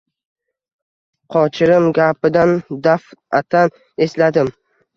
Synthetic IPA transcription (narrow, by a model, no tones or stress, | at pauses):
qʰɒt͡ʃʰɪɾɪmɡʲapɪd̪and̪afat̪ʰan | e̞slad̪ɪm